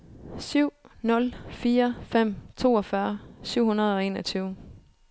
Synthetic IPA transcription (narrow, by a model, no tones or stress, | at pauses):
syʊ̰nɔ̽lfiːɐfem̰t͡sʰo̝̰ːɒ̽fɶːɐsyʊ̰hunɐð̞̩ˠɒ̽e̝̰ːnɒt͡sʰyːʊ